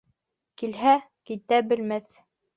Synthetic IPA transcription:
kilɦæ | kit̪æbɘ̆lmæθ

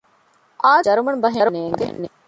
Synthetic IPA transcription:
ʔaːɐɾumɐnbɐɦeɾuneːŋɡḛne

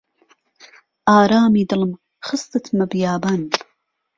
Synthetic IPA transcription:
ʔaːɾaːmiːd̪ɨlm | χɨst̪ɨt̪ʰmɐbjaːban

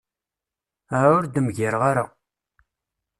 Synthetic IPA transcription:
aɾaʊɾd̪əmʝɪɾʁaɾa

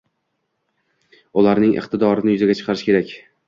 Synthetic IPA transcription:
ʊlaɾnɪŋʔɨ̰χt̪ɪd̪ɒɾɪnɪjʊzɪɡʲat͡ʃʰɨ̥qʰɑɾɪʃkʲe̞ɾakʲ

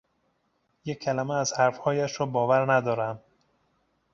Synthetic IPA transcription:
jecʰːælæmeæzhæɾfhɒːjæʃɾɒːbɒːvæɾnæd̪ɒːɾæm

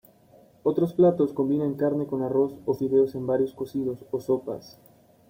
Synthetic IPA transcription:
o̞t̪ɾo̞splat̪o̞sko̞mbinẽŋkaɾne̞ko̞naro̞sofiðeose̞mbaɾjo̞skosiðo̞soso̞pa̰s

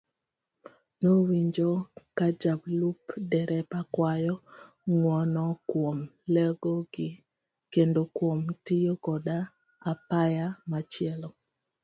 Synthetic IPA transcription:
nowiɲd͡ʒokad͡ʒablupdɛɾɛpakwajɔ | ŋwɔnɔkwomlɛɡoɡɪ | kendokwomtijokɔda | apajamat͡ʃjɛlɔ

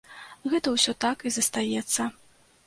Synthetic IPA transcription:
ɣɛt̪ɐwsʲɔt̪akizɐst̪ajɛt̪sːɐ

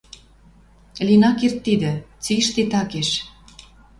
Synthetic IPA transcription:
linɑkert̪ːid̪ə̆t͡siʃt̪it̪ɑkeʃ

